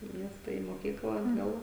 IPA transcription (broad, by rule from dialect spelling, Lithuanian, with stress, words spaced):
iː ˈmʲiɛstɐ iː moːˈkʲiːklˠɐ ɐdˈɡɐlˠ